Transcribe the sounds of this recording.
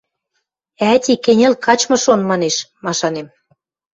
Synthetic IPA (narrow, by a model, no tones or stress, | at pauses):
æt̪ʲikenʲĕlkɑt͡ɕmɤ̆ʃonmɑneʃmɑʃɑnem